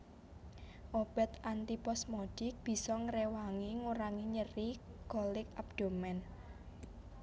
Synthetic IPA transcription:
ʔob̥ɛ̤t̪ant̪ipɔsmɔd̥ɪk̚b̥i̤sɔŋɾewaŋiŋuɾaŋiɲəriɡ̥ɔlɪk̚ab̚d̪̥o̤mɛn

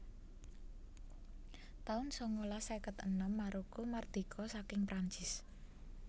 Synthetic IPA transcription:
t̪aʊnsɔŋolasekət̪ə̰nɔmːaɾukumard̪̥i̤kʰɔsakɪŋpɾʔaɲt͡ʃɪs

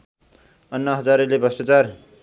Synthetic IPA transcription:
ʌnːʌɦʌd͡zaɾelebʱʌsʈʌt͡sar

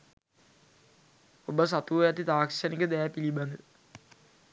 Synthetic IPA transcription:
obas̬at̪uʋəjat̪it̪aːksanikəd̪ɛjæpiliband̪ə

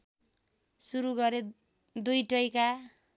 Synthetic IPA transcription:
suɾuɡʌɾe | d̪ujʈʌjka

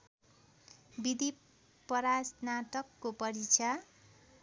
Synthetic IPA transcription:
bid̪i | pʌɾasnat̪ʌkːopʌɾit͡sʰa

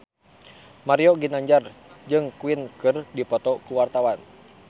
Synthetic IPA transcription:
maɾijɔɡinaɲd͡ʒard͡ʒɨŋkuinkɨrdipɔt̪ɔkuwart̪awan

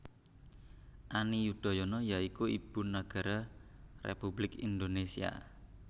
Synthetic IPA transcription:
ʔanijud̪̥a̤jɔnɔjaikuib̥ṳnaɡ̥a̤ɾarḛpublɪkḭnd̪onesia̰

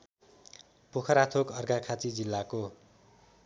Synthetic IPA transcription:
pokʰʌɾat̪ʰokʌrɡakʰat͡sid͡zilːako

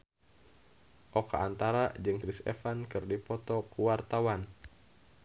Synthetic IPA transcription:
ʔoka̰ant̪aɾad͡ʒɨŋkɾisɛ̰fankɨrdipɔt̪ɔkuwart̪awan

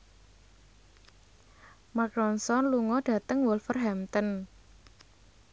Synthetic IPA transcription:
makɾɔnsɔnluŋɔɖ̥ä̤t̪əŋwɔlfərɦɛmt̪ən

